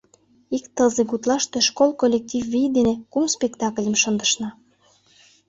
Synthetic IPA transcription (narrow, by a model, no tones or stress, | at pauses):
ikt̪əzeɡut̪lɑʃt̪øʃkolˠkolʲːek̚t̪ʲivːid̪enekumspʲekt̪ɑklʲə̆mʃə̆nd̪əʃnɑ